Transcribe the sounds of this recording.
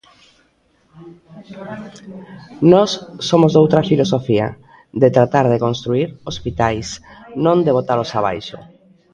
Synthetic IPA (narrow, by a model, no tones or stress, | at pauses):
nɔsːomozðowt̪ɾafilosofia̰ | d̪et̪ɾat̪aɾð̞ekonst̪ɾuiɾospit̪ajsnõnd̪eβ̞ot̪alosaβ̞a̰jʃo̰